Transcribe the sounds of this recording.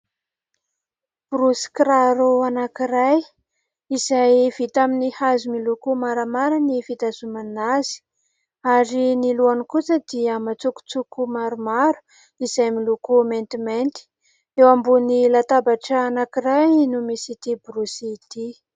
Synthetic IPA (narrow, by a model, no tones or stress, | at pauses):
b̥rusi̥kraɾuanakiɾaj | izajv̥it̪aminihazumilukumaɾamaɾanifit̪azumanazi̥ | aɾiniluanikut͡səd̪iəmat͡suku̥t͡sukumaɾumaɾu̥ | izajmilukument̪iment̪i̥ | ewambunilat̪abaʈ͡ʂaːnakirajnumisit̪ibrusit̪i